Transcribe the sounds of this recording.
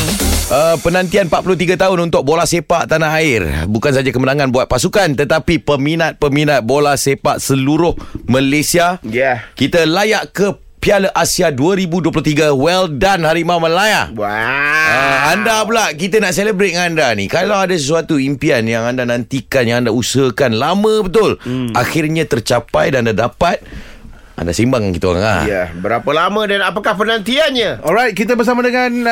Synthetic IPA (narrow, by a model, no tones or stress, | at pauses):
ʔəpənãnt̪ianpat̪̚pulʊt̪iɡat̪aɦʊnunt̪ʊk̚bolahsepaʔt̪anaɦaɪrbukansad͡ʒakəmənaŋãnbuat̪̚pasukant̪ət̪apipəminat̪̚pəminat̪̚bolasepa̰ʔsəluɾʊhməlesiajkit̪əlajaʔkə | pialəʔasiaduəɾibuduəp̬lʊt̪iɡəwɛldanhaɾimaməlajaʔ | andapəlaʔkit̪ənaʔseləbɾet̪̚ŋandanikalawadasəs̬uat̪uimpianjaŋandanãnt̪ikanjaŋandausəkanlamə̃bət̪ʊlaxɪrɲãt̪ərt͡ʃapajdaandadapat̪̚ | ʔa̰nda̰simbaŋaŋkit̪ə̰a̰ŋa̰jɛbəɾapəlamə̃danapakahpənant̪ianɲaɔlɾajt̪̚kit̪̬əbərs̬amadəŋan